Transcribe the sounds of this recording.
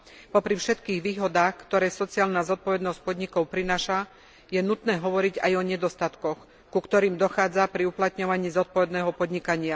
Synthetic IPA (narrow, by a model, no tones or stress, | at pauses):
pɔpɾifʃɛt̪kiːɣʋiːɦɔd̪aːxkt̪ɔɾɛːsɔt͡siaːlnazɔt̪̚pɔʋɛd̪nɔsc̚pɔd̪ɲikɔʊpɾinaːʃa | jɛnut̪nɛːɦɔʋɔɾiɟa̰jɔɲɛd̪ɔst̪at̪kɔx | kukt̪ɔɾiːmd̪ɔxaːd͡zapɾiuplat̪ɲɔʋaɲiːzɔt̪̚pɔʋɛd̪nɛːɦɔpɔd̪ɲikaɲɪa